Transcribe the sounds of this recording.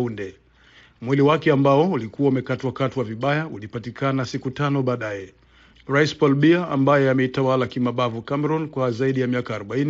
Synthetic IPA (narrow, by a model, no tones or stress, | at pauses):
ndɛ | mwiliwakɛambaɔulikuwaumɛkatwakatiwaviɓajaulipatikʰanasikutanɔɓaːɗajɛ | ɾaispɔlɓiaa̰mbajɛamɛitawalakimaɓavukamɛɾɔnkwazaiɗijamiakaːɾɔɓaini